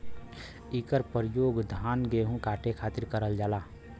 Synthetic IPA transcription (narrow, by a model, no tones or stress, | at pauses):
ikəɾpəɾɪjoːɡd̪ʱaːnɡeɦũkaːʈekʰaːt̪ɪɾkəɾəld͡ʒaːlaː